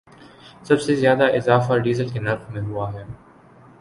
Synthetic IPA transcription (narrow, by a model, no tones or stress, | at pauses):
sɐbsezjaːd̪aʔɪzaːfaɖiːzəlkenɐɾxmẽɦuaɦɛː